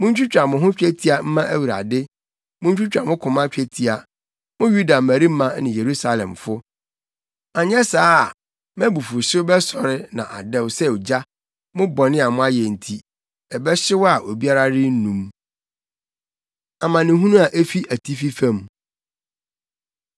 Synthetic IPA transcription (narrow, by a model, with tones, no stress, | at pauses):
mʊ̃˦ɲ̩˦t͡ɕᶣu˦t͡ɕᶣa˨mʊ̃˨ɦʊ̃˦t͡ɕᶣɛ˦tʰi˦a˨m̩˦mã˦ʔæ˦wu˨ɾa̰˨dɪ˦ | mʊ̃˦ɲ̩˦t͡ɕᶣu˦t͡ɕᶣã˨mʊ̃˦kʰʊ̃˨mã˦t͡ɕᶣɛ˦tʰi˦a˨ | mʊ̃˦ju˦da˨mæ˨ɾi˦m̩˦mã˦nɪ̃˨je˨ɾu˦sa˦˨lɛ̰̃˨mfʊ˦ | a˨ɲ˦ɛ˦saː˦˨ | mɛ̃˦bu˨fʊ˨sɪ˦bɛ˦sɔ˨ɾɪ˦nã˨ʔa̰˨dɛ̃˦˨wsɛ˦˨d͡ʑa˦ | mʊ̃˦bɔ˨nɪ̃˦a˨mʊ̃˦a˦jɛ˨n̩˨tʰi˨ | ɛ˨bɛ˦ɕɪ˦wɔ˦a˨ʔo˨bi˦a˦ɾa˦ɾɪ˦n̩˦nũ˨m | a˨mã˨nɪ̃˨ɦũ˦nũ˦a˨ʔe˦fi˦ʔæ˨tʰi˦fi˦fã˦˨m